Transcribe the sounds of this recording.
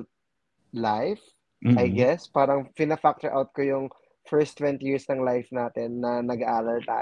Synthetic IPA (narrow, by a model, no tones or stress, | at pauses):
lajf | ɐjɡɛspaːɾɐŋpɪnɐfak̚t̪ɛɹʔa̰wt̪̚kojʊŋ | fɛɹst̪ːwɛ̃nt̪ijiːɹsnɐŋlajfnaːt̪ɛnːɐnɐɡɐʔaːlɐlt̪a̰